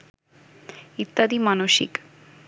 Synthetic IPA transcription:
it̪ːad̪imanoʃḭk

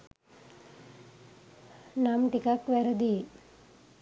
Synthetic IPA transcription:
namʈikakʋeɾɐd̪i

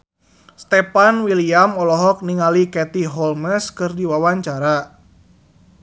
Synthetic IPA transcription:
st̪ɛpanwiliamɔlɔɦɔk̚niŋalikɛt̪iɦɔlməskɨrdiwawaɲt͡ʃaɾa

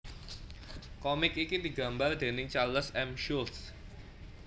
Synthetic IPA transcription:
kɔmɪkikid̪iɡa̤mbard̪e̤nɪŋt͡ʃaləsɛmʃult̪s

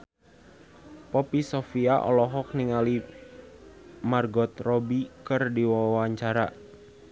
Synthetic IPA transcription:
pɔpisɔfiaʔɔ̰lɔɦɔk̚niŋali | marɡɔt̪rɔbikɨrdiwawaɲt͡ʃaɾa̰

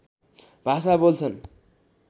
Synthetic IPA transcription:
bʱasabolt͡sʰʌn

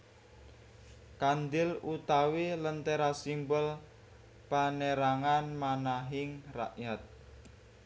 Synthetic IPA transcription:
kand̪ɪlut̪awelənt̪eɾasimbəl | paneɾaŋanmanaɦɪŋra̰ʔjat̪̚

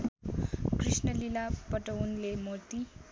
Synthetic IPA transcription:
krisnʌlilapʌʈʌunlemot̪i

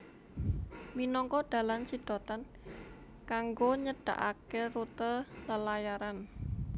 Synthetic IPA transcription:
minɔŋkɔɖ̪̥ä̤lansid̪̥ɔ̤t̪an | kaŋɡoɲəɖ̥a̤̰ʔa̰kerut̪ələlajaɾan

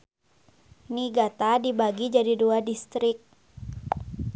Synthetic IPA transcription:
niɡat̪adibaɡid͡ʒadiduadist̪ɾɪk̚

